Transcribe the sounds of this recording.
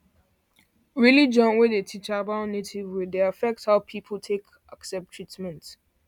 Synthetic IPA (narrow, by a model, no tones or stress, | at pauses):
ɹilid͡ʒə̃nwɪdetʰit͡ʃaabãʊ̃nnːetʰivwideafɛk̚thaʊpʰipʰəl̩tʰek | ʔaksɛp̚tʰɹ̥itmɛ̃nt